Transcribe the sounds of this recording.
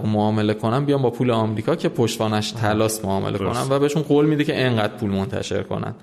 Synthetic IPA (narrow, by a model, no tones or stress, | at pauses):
moɒːme̞le̞kʰo̞næmbijɒːmbɒːpʰuːleɒmɾiːkʰɒːcʰe̞pʰoʃt̪vɒːnæʃt̪ʰælɒːsmoɒːmḛlḛkʰo̞̰næ̰nvæbeeʃunɢoːlmiːd̪ecʰe̞ʔeŋɢæːd̪̥̚pʰuːlmont̪ʰæ̰ʃe̞̰ɾkʰo̞̰næ̰n